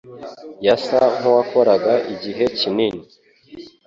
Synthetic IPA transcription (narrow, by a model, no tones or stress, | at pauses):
jasaŋ̥owako̞ɾaɡaiɟiɦe̞cinini